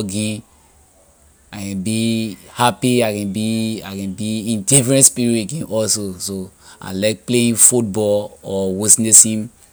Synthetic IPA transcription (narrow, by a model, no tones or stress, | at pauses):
ɡĩ | akɛ̃nbihapiaɪkɛ̃nbiakɛ̃nbiĩndifɹɛ̃ntspiɹiteɡĩnʔɔlsosoa̰laɪk̚pleĩnfut̚bɔlɔwisnesĩm